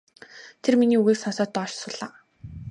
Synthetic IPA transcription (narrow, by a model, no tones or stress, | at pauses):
t̪ʰerminiːuɣeːrsɔnsɔːt̪ːɔːʃsʊːɮaː